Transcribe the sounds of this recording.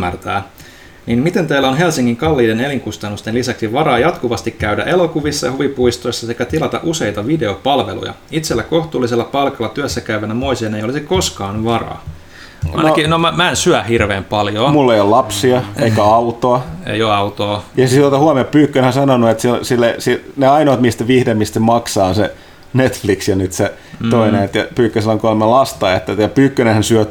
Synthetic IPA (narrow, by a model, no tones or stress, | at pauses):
ært̪æː | niːnmit̪e̞nt̪eːlːæonɦelsiŋːiŋkɑlːiːdene̞liŋkust̪ɑnːust̪enlisæksiʋɑɾɑːjɑt̪kuʋɑst̪ikkæydæ̰ʔe̞lo̞kuʋisːɑjɑhuʋipuist̪o̞isːɑsekæt̪ilɑt̪ɑ̰ʔuse̞it̪ɑʋide̞o̞pɑlʋe̞̰lṵjɑ̰it̪selːæko̞ht̪uːliselːɑpɑlkɑlːɑt̪yæsːækæyʋænːæmoisienejoliseko̞skɑːnʋɑrɑ̰ː | ɑinɑokinomæmæensyæhirʋeːmpɑljomulːeijolɑpsiɑeikæɑut̪oɑḛioɑut̪oːjɑsit̪ot̪ɑhuɑmeppyːkːønhænsɑnonuet̪silsilːesineɑinoːt̪mist̪æʋihdemist̪emɑksɑːnse | net̪fliksjɑnyt̪se | t̪oineet̪jɑpyːkːøsilːɑŋkolmːellɑst̪ɑːet̪ːæt̪jɑpyːkːønehænsyø